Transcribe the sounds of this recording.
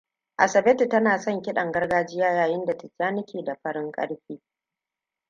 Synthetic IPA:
ʔa̰˨sɐ˨bɛ˦ti˨tɐ˦naː˨sɔ˦ŋkʲɪ˦ɗɐ˨ŋɡɐ˦rɡaː˦d͡ʒɪ˦jaː˦jaː˨jɪ˦nda˨tɐ˨t͡ʃaː˦nɪ˦kʲʰeː˨da˨ɸɐ˦ɽɪ˦ŋkʼɐ̰˦ɽɸiː˦

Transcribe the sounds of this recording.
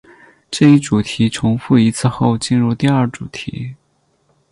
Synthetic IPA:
ʈ͡ʂɤ˥˧i˥˩ʈ͡ʂu˨˩t̪ʰi˧˥ʈ͡ʂʰʊ˧˥ŋfu˥˩i˧˥t͡sʰɹ̩˥˧xo˥˧ʊt͡ɕi˥˧nɻu˥˧t̪i˥˧ɐ˞˥˩ʈ͡ʂu˨˩t̪ʰḭ˧˥

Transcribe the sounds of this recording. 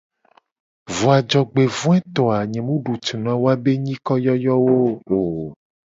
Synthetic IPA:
vɔ˨a˨d͡ʒɔ˨ɡ͡be˨vũ˦ɛ˦t̪ɔ˨a˨ɲɛ̃˨mũ˦ɖu˨t͡ʃi˨nã˨˦wo˦a˦be˦ɲĩ˦kɔ˦jɔ˦jɔ˦wo˦o˨

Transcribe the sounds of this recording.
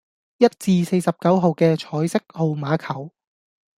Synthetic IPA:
jɐ˥t̚t͡siː˧se˧jsɐ˨p̚kɐ˨˥wɦo˨wkɛː˧t͡ʃʰɔː˨˥jsɪ˥k̚ho˨wmaː˨˥kʰɐ˨˩w

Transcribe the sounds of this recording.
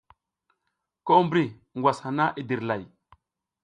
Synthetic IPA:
ko˦mbɾi˦˨ | ŋɡʷwa˨sha˨na˦ʔi˨di˨ɾla˨j

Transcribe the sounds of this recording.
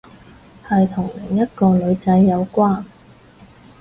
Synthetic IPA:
hɐ˨jt̪ʰʊ˨˩ŋlɪ˨˩ŋjɐ˥t̚kɔː˧lɵ˨˧ɥt͡sɐ˨˧˥jːɐ˨˧wkʷaː˥n

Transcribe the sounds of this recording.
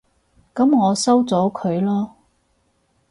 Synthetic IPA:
kɐ˨˦mŋɔː˨˧sɐ˥wt͡sɔː˨˥kʰɵ˨˧ɥlɔː˥

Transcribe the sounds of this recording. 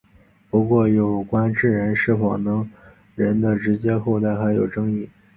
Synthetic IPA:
pu˧˥kwɔ˥˩jo˨˩ʊkwa˥nʈ͡ʂɻ̩˥˩ɻə˧˥nʂɻ̩˥˩fɑ˨˩nɤ˧˥ŋ | ɻə˧˥nd̪ə˧ʈ͡ʂɻ̩˧˥t͡ɕjɛ˥xo˥˧ʊt̪a˥˩ɪxa˧˥ɪjo˨˩ʊʈ͡ʂɤ˥ŋi˥˩

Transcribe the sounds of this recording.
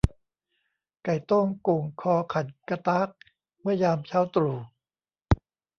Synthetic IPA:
ka˨˩jt̪o˥˩ŋku˨˩ŋkʰɔː˧kʰa˨˩t̪̚ka˧t̪aː˦˥k̚ | mɯ˥˩ɐjaː˧mt͡ɕʰa˦˥wt̪ɾuː˨˩

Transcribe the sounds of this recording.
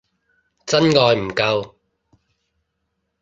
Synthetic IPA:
t͡sɐ˥nŋɔː˧jm̩˨˩kɐ˧w

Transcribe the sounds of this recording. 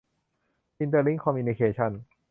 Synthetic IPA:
ʔi˧nt̪əː˧li˦˥ŋkʰɔ˧miu˧ni˧kʰeː˧t͡ɕʰa˥˩n

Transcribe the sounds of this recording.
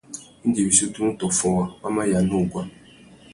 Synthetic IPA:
i˦d͡ʒe˨bi˨so˦tu˦u˦tɔ˨fɔ˨wa˨wa˦ma˦ja˨nu˦˨ɡʷa˦

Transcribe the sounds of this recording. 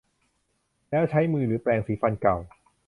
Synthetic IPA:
lɛː˦˥wt͡ɕʰa˦˥jmɯː˧ɾɯː˩˦plɛː˧ŋsiː˩˦fa˧nka˨˩w

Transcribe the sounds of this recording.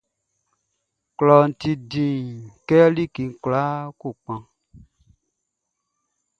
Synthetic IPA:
klɔ˨n̩˨ti˧dĩ˨kɛ˦li˦˨ki˨ŋ̩˨kla˦ku˦˨k͡pã˧

